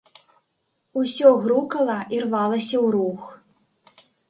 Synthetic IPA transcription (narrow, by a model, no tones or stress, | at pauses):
usʲɔɣɾukɐlˠɐʔirvalˠɐsʲɐwɾux